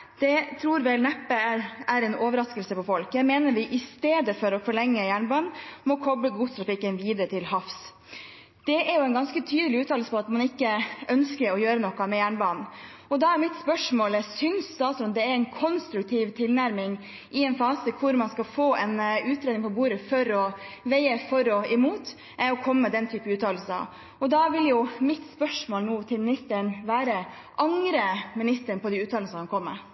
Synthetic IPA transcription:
d̪̥ɛt̪ʰɾuːɾʋɛlnæpːəæɾæɾɛnoːʋəɾɑskəlsəpɔfɔlkɛmeːnəɾʋɪʔɪst̪eːd̪əfɔɾɔfɔɭɛŋːəjæːɳbɑːɳmɔkʰɔbləɡuːt̪ʰɾɑfɪkːənʋiːd̪əɾət̪ʰɪlhɑfs | d̪̥ɛʔæɾjʊɛɪnɡɑnskət̪ʰyːd̪əlɪʉːt̪ɑːl̩səpɔɑt̪mɑnɪkːəʔœnskəɾɔjøːɾənɔkːɑmɛjæːɳbɑːnnɔd̪ɑæɾmɪt̪spœʂmoːlɛsʏnsd̪ɑːsɔnd̪ɛæɾɛɪnkʰɔnst̪ɾʉk̚t̪ʰiːʋt̪ʰɪlnæɾmɪŋ | ʔɪɛnfɑːsəkʰʊɾmɑnskɑfoːɛnʉːt̪ɾeːd̪ɪŋmpʰɔbuːɾəfɔɾɔʋæɪəfɔɾɔɛmuːt̪ | ʔɛɔkʰɔmːəməd̪ɛnt̪ʰyːpənʉːt̪ʰɑːl̩sə̰ | ɔd̪ɑʋɪljʊmɪt̪spœʂmoːlnuːt̪ʰɪlmɪnɪst̪əɳʋæːɾə | ʔɑŋɾəmɪnɪst̪əɳpʰɔd̪iʉːt̪ʰɑːlsəhɑnkʰɔmːə̰

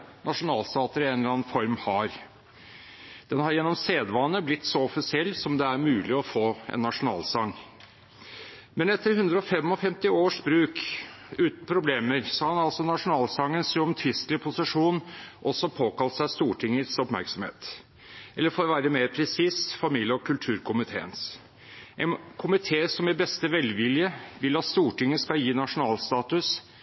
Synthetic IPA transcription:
nʔɑʂʊnɑːlst̪ɑːt̪əɾɪenlɑnfɔɾmhɑɾ | d̪̥ɛnhɑɾjɛnːɔmseːd̪ʋɑnːəblɪt̪ːsɔɔfɪsɪɛlːsɔmd̪ɛæɾmʉːlɪɔfoːɛ̰nːɑʂʊnɑ̰ːlsɑŋː | mɛnɛt̪ʰːəɾhʉnd̪ɾəɔfɛmːɔfɛmt̪ɪoːʂbɾʉːkʉːt̪n̩pʰɾʊbleːməɾsɑːhɑnɑlsɔnɑʂʊnɑːlsɑŋːənsɔmt̪ʰɾɪst̪lɪpʰʊsɪʂuːnʔɔsːɔpʰoːkɑlt̪sæst̪uːʈʰɪŋːət̪sɔpmæ̰ɾksɔmhḛːt̪ | ʔɛlːəɾfoːɾʋæːɾəmeːɾpʰɾɛsiːsfɑmiːljəɔkʰʉlt̪ʰʉːɾkʰʊmɪt̪ʰḛːə̰ns | ʔɛnkʰʊmɪt̪ʰeːsɔmæɾbɛst̪əʋɛlʋɪljəʋɪlɑt̪st̪uːʈɪŋːəskɑljiːnɑʂʊnɑːlst̪ɑːt̪ʉs

